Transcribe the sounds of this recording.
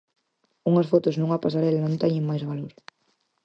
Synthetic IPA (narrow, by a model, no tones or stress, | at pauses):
uŋɐsfot̪ʊznuŋapasaɾɛlanõnt̪ɛɲeŋmajzβaloɾ